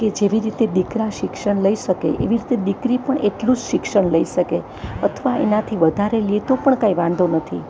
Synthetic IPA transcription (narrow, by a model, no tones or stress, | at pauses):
ked͡ʒeʋiɾit̪ed̪ikɾaʃɪkʃəɳləiʃəkḛʔḛʋiɾit̪ed̪ikɾipəɳeʈlũd͡ʒʃɪkʃəɳləiʃəke | ət̪ʰʋaḛnat̪ʰiʋəd̪ʱaɾeliet̪opəɳkaiʋãnd̪onət̪ʰi